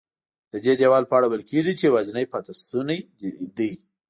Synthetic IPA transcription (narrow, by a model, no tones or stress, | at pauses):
d̪̥əd̪ed̪ewɑlpəaɽawəlkeʐit͡ʃewaznəjpɑt̪asunaj | d̪ij